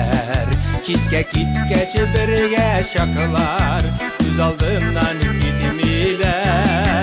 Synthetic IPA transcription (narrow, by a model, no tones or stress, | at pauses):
ɾt͡ʃit̪̚kækit̪̚kæt͡ʃɘbɘ̆ɾɘɡæɕɑqɤlˠɑɾ | kʉzɑlˠd̪ɤnnɑnkit̪milæ